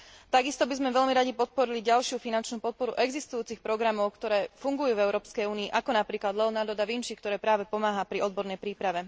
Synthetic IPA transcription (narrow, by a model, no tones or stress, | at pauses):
t̪aɡist̪ɔbizmɛʋɛʎmiɾaɟipɔt̪̚pɔɾiliɟalʃɪufinant͡ʃnuːpɔt̪̚pɔɾṵʔɛɡzist̪ujuːt͡sixpɾɔɡɾamɔʊkt̪ɔɾɛːfuŋɡujuːvɛʊɾɔːpskɛjuːniːʔakɔnapɾiːklad̪lɛɔnad̪ɔd̪aʋinʃik̚t̪ɔɾɛːpɾaːʋɛpɔmaːɦapɾiʔɔd̪̚bɔɾnɛjpɾiːpɾaʋɛ